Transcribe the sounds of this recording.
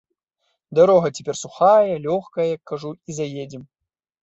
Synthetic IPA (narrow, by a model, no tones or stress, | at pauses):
d̪ɐɾɔɦɐtʲe̥pʲerʲsuxajɐlʲɔxkɐjjakːɐʐuizɐjed͡zʲim